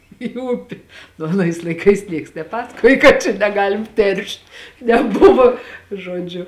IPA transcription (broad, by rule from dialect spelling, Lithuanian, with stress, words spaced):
iː ˈʊpʲɪ nʊ ɐˈnɐɪs lˠɐɪˈkɐɪs ˈnʲiɛks nʲɛˈpɑːsɐkoːj kɐt ˈt͡ʃʲɛ nʲɛˈɡɑːlʲɪm ˈtʲɛrʃt nʲɛˈbʊʋoː ʒoːˈd͡ʒʲʊ